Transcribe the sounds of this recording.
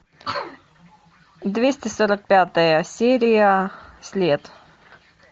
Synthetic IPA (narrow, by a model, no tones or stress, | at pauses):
d̪vʲesʲtʲɪsoɾək̚pʲat̪əjəsʲeɾʲɪjəsʲlʲet̪